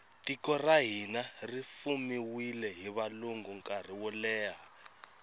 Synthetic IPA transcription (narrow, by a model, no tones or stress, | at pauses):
tikɔraɦinarifumiwilɛɦiβaluŋɡuŋkʼar̤iwɔlɛːɦa